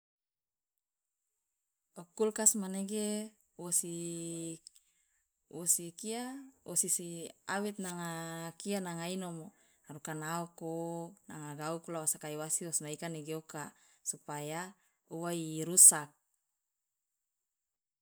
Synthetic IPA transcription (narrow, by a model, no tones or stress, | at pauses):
ɔkulkasmaneɡe | wosi | wosikiawʔosisiawɛt̪̚naŋakianaŋainomo | aɾukanaokonaŋaɡaukulawasakaiwasiwosnaikaneɡeoka | supaja | uwaiɾusak̚